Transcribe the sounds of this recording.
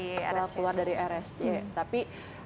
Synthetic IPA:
salakuluardaɾiʔɛɾɛsd͡ʒet̪api

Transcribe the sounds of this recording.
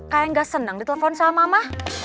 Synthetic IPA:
kajaŋɡasənəŋdit̪eləfɔnsamamah

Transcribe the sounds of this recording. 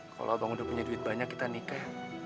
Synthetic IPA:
kʰa̰lʔo̰abaŋudahpuɲaduɪt̪̚baɲakːit̪anika

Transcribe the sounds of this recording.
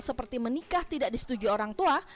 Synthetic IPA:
səpərt̪imənikaht̪idaʔdisə̥t̪ud͡ʒuoɾaŋt̪ua

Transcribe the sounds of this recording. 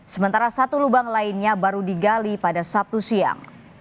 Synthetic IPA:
səmənt̪aɾasat̪ulubaŋlainɲabaɾudiɡalipadasap̚t̪usia̰ŋ

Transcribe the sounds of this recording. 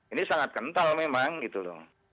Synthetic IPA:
inisaŋat̪̚kənt̪almemaŋɡit̪udɔ̰

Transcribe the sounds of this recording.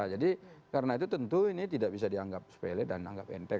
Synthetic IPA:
d͡ʒadikaɾənait̪ut̪ənt̪uinit̪idaʔ̚bis̬adiaŋɡap̚sə̥pelɛdana̰ŋɡapɛ̰nt̪ɛ

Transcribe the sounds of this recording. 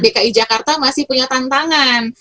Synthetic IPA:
dekaid͡ʒakart̪amasɪhpuɲat̪ant̪aŋan

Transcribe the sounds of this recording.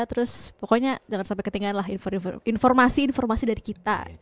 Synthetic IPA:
t̪əɾʊspɔkoɲad͡ʒaŋansampekət̪iŋɡaːnlaɦinfɔninfɔrmasiːnfɔrmasidaɾikit̪a̰

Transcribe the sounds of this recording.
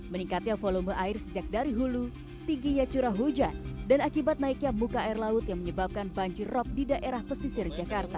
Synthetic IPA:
məniŋkat̪iafoloməʔaɪrsəd͡ʒak̚daɾiɦulu | t̪iŋɡiɲat͡ʃuɾaɦud͡ʒandanakibat̪̚naik̚ɲamukaːirlaʊt̪jaŋməɲəbap̚kanbaɲd͡ʒɪrːɔp̚didaʔeɾahpəsisɪrd͡ʒakart̪a

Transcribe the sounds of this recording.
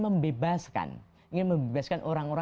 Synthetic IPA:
məmbebaska̰n | iŋɪnməmbebaskanʔoɾaŋoɾa

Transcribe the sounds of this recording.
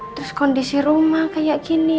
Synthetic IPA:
t̪ɾuskɔndisiɾumahkajaʔkini

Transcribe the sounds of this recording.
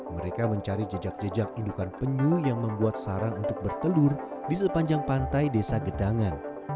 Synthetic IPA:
məɾekaməɲt͡ʃaɾid͡ʒəd͡ʒak̚d͡ʒəd͡ʒak̚indukanpəɲujaŋməmbuat̪̚saɾaŋunt̪ʊk̚bərt̪əlʊrdis̬əpaɲd͡ʒaŋpant̪ajdesaɡədaŋan

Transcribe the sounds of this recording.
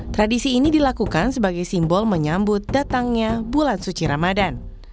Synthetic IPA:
t̪ɾadisiːnidilakukansəbaɡajsimbɔlməɲambʊt̪̚dat̪aŋɲabulansut͡ʃiɾamadan

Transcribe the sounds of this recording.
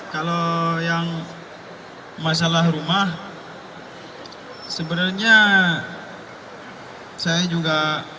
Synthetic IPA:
kalojaŋ | mas̬alahrumah | səbənarɲa | sajad͡ʒuɡa

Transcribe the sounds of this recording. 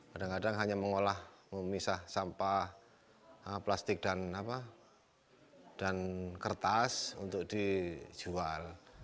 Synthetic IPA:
kadaŋkadaŋɦaɲaməŋolahməmisahsampah | əplast̪ɪk̚d̥anapa | d̥ankərt̪asṵnt̪ʊk̚d̥i̥d͡ʒ̥ual

